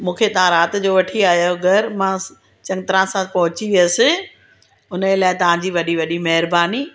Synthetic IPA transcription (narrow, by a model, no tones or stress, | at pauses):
mũːkʰet̪ɐʋ̤ãɾaːt̪d͡ʑoːʋɐʈʰiaːɦjoɡɐɾmãː | t͡ɕɐ̃ŋɡt̪ɪɾãsãpɐɦʊt͡ɕiʋijasɪ | ʊnəd͡ʑelaːɪt̪ɐʋ̤ãd͡ʑiːʋɐɗiʋɐɗimɐɦɾbaːni